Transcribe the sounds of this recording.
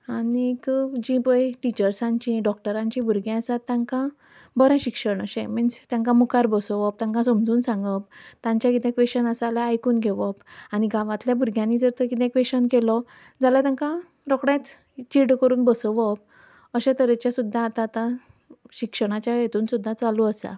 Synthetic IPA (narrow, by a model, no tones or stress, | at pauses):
anikəd͡ʑĩbəjʈit͡ɕəɾsãɲt͡ɕĩɖɔk̚ʈəɾãɲt͡ɕĩbʱuɾɡɛ̃əsat̪ːjãŋkã | bəɾãɕikʂəɳəɕɛ̃mənst̪jãŋkãmukaɾbəsɔʋɔp̚t̪ãŋkãsomd͡zuːnsãŋɡəp̚t̪ãɲt͡ɕjãkit̪ɛ̃kʋeɕənəsalaajkuːnɡʱeʋɔpaniɡaʋãt̪ljabʱuɾɡʱjãnːid͡zəɾt̪əkit̪ɛ̃kʋeɕənkelɔ | d͡zalat̪jãŋkã | ɾɔkɽãt̪ | t͡ɕiɽkəɾuːnbəsɔʋɔp̚ | əɕãt̪əɾet͡ɕjasud̪ʱːãːt̪aːt̪ã | ɕikʂəɽ̃at͡ɕjajet̪uːnsud̪ʱːat͡saluəsa̰